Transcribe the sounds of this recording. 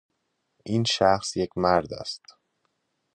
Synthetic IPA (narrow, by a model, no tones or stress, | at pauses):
ʔiːnʃæxsjecʰmæɾd̪æ̰st̪